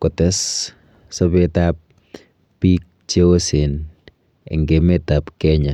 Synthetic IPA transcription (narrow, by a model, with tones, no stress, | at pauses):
kɔtɛ˦s | sɔ˦petap̚ː | i˦k̚t͡ʃe˦o˦se˨n | ɪ̰˨ŋɡe˨me˦ta˨pkɛɲa˨